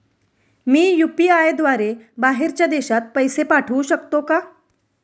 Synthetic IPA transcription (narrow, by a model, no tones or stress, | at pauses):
miːjupiajd̪ʋaɾebaɦeɾt͡ɕjad̪eɕat̪̚pəjsepaʈʰəuɕəkt̪oka